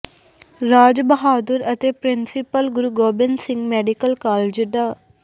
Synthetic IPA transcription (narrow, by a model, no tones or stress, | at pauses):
ɾaːd͡ʒbəɦaːd̪əɾət̪eːpɾɪnsɪpəlɡʊɾuːɡoːbɪnsɪ̃ŋɡmɛːɖikəlkaːled͡ʒɖ̪aː